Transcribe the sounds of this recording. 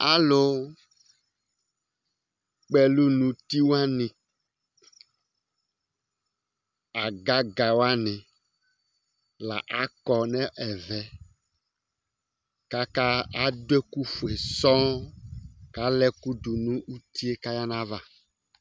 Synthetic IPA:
a˦lo˦ | k͡pɛ˦lu˦nũ˨t̪i˦wa˦nĩ˨ | a˨ɡa˦ɡa˨wo˦a˦nɛ̃˨ | la̰˨ʔa˦kɔ˨nɛ̃˦ʔɛ˨vɛ˨ | ka˦ka˦a˦dwe˦ku˦fu˨e˨sɔ̃˦ | ka˦lɛ˦ku˦d̪u˨nũ˦u˦t̪i˦e˦ka˦ja˦nã˦va˦˨

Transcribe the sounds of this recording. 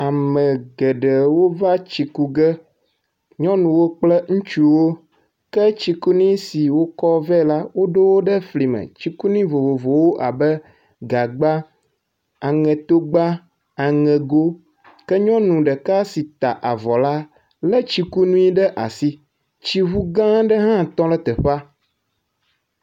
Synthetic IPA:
a˨mə̃˨ɡɛ˨ɖə˨wo˦va˦t͡ɕi˨ku˦ɡɛ˦ | ɲɔ̃˦nũ˨wo˦k͡plɛ˦ŋũ˦t͡ʃu˦wo˦ | kɛ˦t͡ɕi˦ku˦nĩ˦si˨wo˦kɔ˦vɛ˦˨la˦wo˦ɖo˦wo˦ɖə˦fli˨mɛ̰̃˨t͡ʃi˦ku˦nĩ˦vo˨vo˨vo˨wo˦ʔa˨bɛ˦ | ɡa˨ɡ͡ba˦ | a˨ŋɛ̃˨t̪o˦ɡ͡ba˦ | a˨ŋɛ̃˨ɡo˦ | kɛ˦ɲɔ̃˦nũ˨ɖɛ˨ka˦si˨t̪a˨ʔa˨vɔ˨la˦ | lɛ˦t͡ʃi˦ku˦nũ˦i˦ɖɛ˦ʔa˨si˦ | t͡ɕi˦ɦu˦ɡã˦ɖɛ˦ɦã˦t̪ɔ̃˦lɛ˦t̪ɛ˨ɸa˦

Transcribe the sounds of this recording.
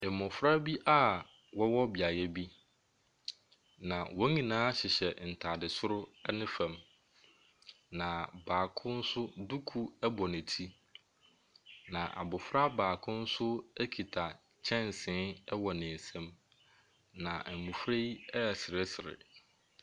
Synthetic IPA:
e˨mʊ̃˨fɾa˦bi˦ʔa˦ | wɔ˦wɔ˦bi˨a˨jɛ˦bi˦ | nã˨wɔ˦ɲĩ˨nãː˦ɕɪ˨ɕɛ˨n̩˨tʰa˨dɪ˨sʊ˦ɾʊ˦ɛ˦nɪ̃˦fɛ̃˨m | nã˨baː˨kʰʊ̃˦n̩˦sʊ˦du˦kʰu˦ɛ˦bɔ˨nɪ̃˨tʰi˦ | nã˨ʔa̰˨bʊ˨fɾa˦baː˨kʰʊ̃˦n̩˦sʊ˦æ˦kʰi˨tʰa˨ | t͡ɕʰɛ̃˦n˨sɪ̃˦ɛ˦wɔ˨nɪ̃˨n˨sɛ̃˦m | nã˨mũ˨fɾe˦i˦ɛ˦˨sɪ˨ɾɪ˦sɪ˨ɾɪ̰˨

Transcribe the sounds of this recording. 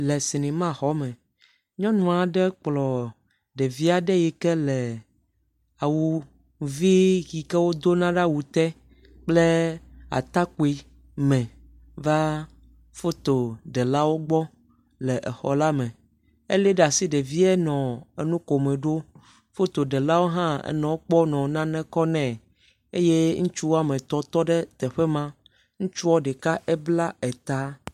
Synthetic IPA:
lɛ˨si˨nĩ˨mã˦xɔ˦mɛ̃˨ | ɲɔ̃˦nũ˨a˨ɖɛ˦k͡plɔ˨ | ɖɛ˨vi˦a˨ɖɛ˦jɛ˨kɛ˦lɛ˨ | a˨wu˨ | vi˦ɣi˨kɛ˦wo˦d̪o˦nã˦ɖa˦wu˨t̪ɛ˦ | k͡ple˦a̰˨t̪a˦ku˨˦i˦ | mɛ̃˨ | va˦ | fo˦t̪o˨ɖɛ˨la˦wo˦ɡ͡bɔ˦ | lɛ˨ʔɛ˨xɔ̰˨la˦mɛ̃˨ | ḛ˦le˦ɖa˨si˦ɖe˨vi˦ɛ˦nɔ̃˨e˨nũ˦ko˨mɛ̃˨ɖo˦ | fo˦t̪o˨ɖɛ˨la˦wo˦ɦã˦ɛ̰˨nɛ̃˨wo˦k͡pɔ˦nɔ̃˨nã˦nɛ̃˦kɔ˦nɛ̃˨ | e˦je˦ŋũ˦t͡ʃu˦wo˦a˦mẽ˨t̪ɔ˦t̪ɔ˦ɖɛ˦t̪ɛ˨ɸɛ˦mã˦ | ŋũ˦t͡ʃu˦wɔ˦ɖɛ˨ka˦ʔɛ˦bla˦ɛ˨t̪a˨˦

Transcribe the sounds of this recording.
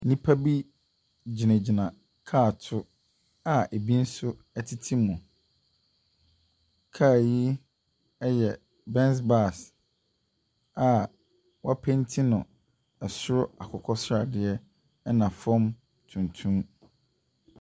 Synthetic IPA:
nĩ˦pʰa˦bi˦ | d͡ʑi˨nã˨d͡ʑi˨nã˨ | kʰaː˦˨tʰʊ˦ | a˨e˨bi˦n̩˦sʊ˦ | ɛ˦tʰi˦tʰi˦mʊ̃˨ | kʰaː˦˨ji˦ | ɛ˦jɛ˨ | bɛ̃˦ns̬ba˦˨s | a˨ | wa˦pʰɛ̃˦ntʰĩ˦nʊ̃˨ | ɛ˨sʊ˦ɾʊ˦a˨kʰɔ˨kʰɔ˦sa˨dɪ˨˦ɛ˦ | nã˨fɔ̃˦m | tʰũ˨ntʰũ˦m

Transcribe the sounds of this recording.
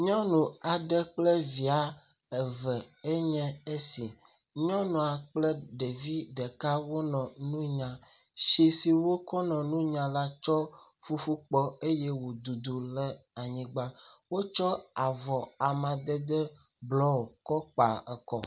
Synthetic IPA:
ɲɔ̃˦nũ˨a˨ɖɛ˦k͡plɛ˦vi˨a˨˦ | ɛ˨vɛ˨e˦ɲɛ̃˦e˦si˨ | ɲɔ̃˦nũ˨a˨k͡plɛ˦ɖɛ˨vi˦ɖɛ˨ka˦wo˦nɔ̃˨nũ˦ɲã˨ | ʃi˦si˨wo˦kɔ˦nɔ̃˨nũ˦ɲã˨˦la˦t͡ʃɔ˦ | fu˦fu˦k͡pɔ˦e˦jɛ˦wo˨d̪u˨d̪u˨lɛ˦a˨ɲĩ˨ɡ͡ba˦wo˦t͡ʃɔ˦a˨vɔ˨a˨mã˨d̪ɛ˦d̪ɛ˦ | blɔ˦o˨kɔ˦k͡pa̰˨ɛ˨kɔ̰˦

